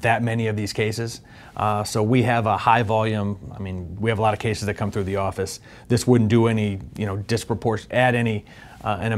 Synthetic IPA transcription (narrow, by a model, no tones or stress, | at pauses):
ðɨt̚mɛniʌvðiz̥kʰeɪsɨz̥ | soʊwiɨvəhaɪvɑlˠjʉ̃ma̰ɪmĩnwiɨvəlɑɾʌv̥kʰeɪsɨzðɨt̚kʰʌ̃mθɹʉðiɔfɨs | ðɪswʊdⁿn̩d̥əɛnijɨnoʊdɨspɹ̥əpʰɔɹʃnɨɾɛñi | ɨ̃nɨ